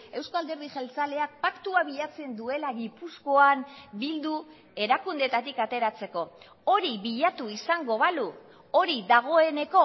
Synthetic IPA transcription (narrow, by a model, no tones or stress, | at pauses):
e̞wskald̪e̞ɾðiʝelt͡sale̞ak̚pakt̪uaβiʎat͡se̞nd̪ue̞laɣipusko̞ambild̪u | e̞ɾakund̪e̞t̪at̪ikat̪e̞ɾat͡se̞ko̞ | o̞ɾiβiʎat̪uisaŋɡo̞β̞alu | oɾiðaɣ̞o̞e̞ne̞ko̞